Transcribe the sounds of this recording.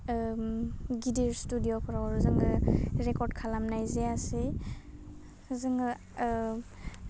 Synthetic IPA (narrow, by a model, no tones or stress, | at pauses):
ɡidiɹstudijopʰɔɾawaɾuzɯŋɯɾekɔɾd̚kʰalamnajzease | zɯŋɯ